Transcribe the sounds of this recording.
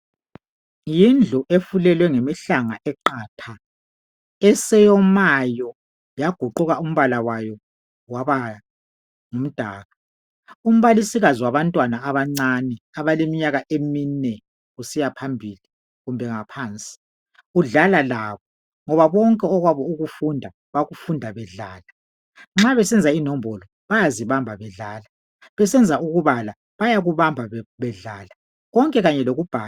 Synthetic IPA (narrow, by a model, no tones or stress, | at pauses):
jind͡ɮʱuʔefulɛlwɛŋemiɬaŋaʔɛǃaːtʰa | ɛsɛjɔmajɔ | jaɡ̥ʱuǃuɣaum̩βalawajɔ | waβa | ŋum̩d̥ʱa̰ːɣa | um̩βalisiɣaziwaβantʼwanaːβaŋ͡ǀanɛaβalemiɲaɣaʔeminɛ | ɣusijapʰambʱiːli | ɣumbʱɛŋapʰaːnt͡sʼi̥ | ɣuɮalalaβɔ | ŋɔβaβɔŋkʼɛɔɣwaβɔuɣufundʱa | βaɣufundʱaβɛɮaːla | ŋ͡ǁaβɛsɛnd͡zʱainɔmbʱɔlɔ | βajaziβambʱaβɛɮaːla | βɛsɛnd͡zʱauɣuβala | βajaɣuβambʱaβɛɮaːla | ɣɔŋkʼɛɣaɲɛloɣub̥ʱaːla